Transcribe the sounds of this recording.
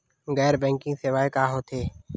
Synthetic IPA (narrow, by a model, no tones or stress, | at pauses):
ɡɛːɾbɛ̃ːŋkɪ̃ŋɡseʋaːekaːɦoːt̪ʰeː